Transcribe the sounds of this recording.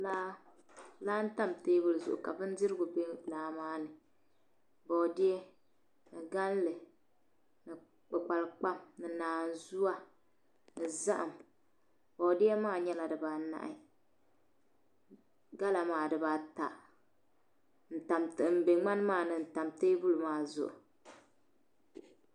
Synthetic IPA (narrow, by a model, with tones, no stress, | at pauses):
laː˦ | laː˦n̩˦ta˦mteː˦bɨ˦lɨ˨zʊ̰˨ʔʊ˨ka˨bɨ˦n˦dɪ˦ɾɨ˦ɡʊ˨be˦laː˨˦maː˦nɨ˨ | bɔ˨dɪ˦ɛ˦ | nɨ˨ɡa˦n˦lɨ˨ | nɨ˨ | k͡pʊ˨k͡pa˨lk͡pa˦mnɨ˨naː˨n˨zu˦a˦ | nɨ˨za˦ʔa˨m | b̥ɔ˨dɪ˦ɛ˦maː˦˨ɲɛ˦la˨dɨ˨ba˨na̰˨ʔɪ˦ | ɡa˦la˨maː˦˨dɨ˨ba˨ta̰˨ | n̩˨ta˨mtm̩˨be˨ŋ͡ma˦n˦maː˦˨nɨ˨n̩˨ta˨mte˦bu˦lɨ˨maː˦˨zʊ̰˨ʔʊ̰˨